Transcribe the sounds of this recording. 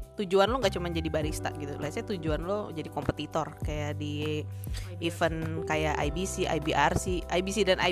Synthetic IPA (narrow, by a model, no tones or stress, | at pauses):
t̪ud͡ʒuanloŋɡaʔt͡ʃumand͡ʒadibaɾist̪a̰ʔɡit̪uliasɲat̪ud͡ʒuanlod͡ʒadikɔmpət̪it̪ɔrkajadi | fənkajaʔa̰jbisiʔa̰jbiʔarsihʔajbisidanʔa̰